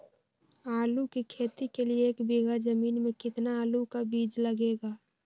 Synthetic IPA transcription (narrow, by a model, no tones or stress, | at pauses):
aːlukikʰeːt̪ikelieːkbiɡad͡ʒəmiːnmẽkɪt̪naaːlukabiːd͡ʒləɡeːɡaː